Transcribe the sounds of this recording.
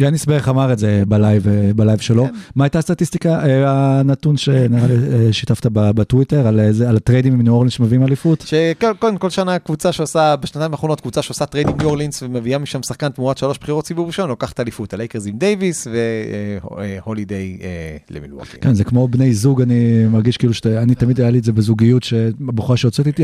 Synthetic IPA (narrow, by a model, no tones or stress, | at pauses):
ianiisbeχamaʁetdzebalajvebalajvʃelo̞maajtast̪atist̪ikaʔeanatunʃeniʁaliʃitaftababatwiteʁalezealatʁedimimnuolinsmeviimalifutʃekokodemko̞lʃanakvut͡saʃeosabeʃnat̪aĩmvaːχono̞t̪kvut͡saʃeosat̪ʁejdimnuoʁlinsvemeviamiʃamsaχkant̪muatʃalo̞ʃb̥χiʁotsibuʁiʃo̞nlo̞kaχḁt̪aːlifut̪alejkeʁzimdejvisve̞ | holidejelḛmḭlo̰ḭkenzekmo̞bne̞jzuɡanimaʁɡiʃkiːluʃe̥anit̪amidajaliezebezuɡijutʃeboχuaʃeot͡setit̪i